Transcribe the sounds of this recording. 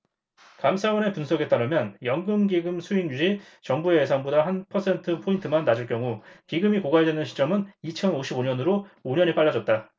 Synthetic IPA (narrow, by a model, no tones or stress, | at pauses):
kamsʰawʌnepunsʰʌɡe̞t͈aɾɯmjʌnjʌŋɡɯmɡiɡɯmsʰuinud͡ʑi | t͡ɕʌŋbueːs̬ʰaŋbodahanpʰʌsʰe̞ntʰɯpʰointʰɯmanːad͡ʑɯɭkjʌŋukiɡɯmikoɡaedwenɯnɕʰi̥t͡ɕ͈ʌmɯnit͡ɕʰʌnoɕʰiboɲʌnɯɾooɲʌnip͈aɭːad͡ʑʌt̚t͈a